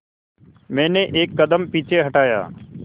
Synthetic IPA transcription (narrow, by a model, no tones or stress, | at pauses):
mẽːnẽːʔeːkːəd̪əmpiːt͡ʃʰeːɦəʈaːja̰ː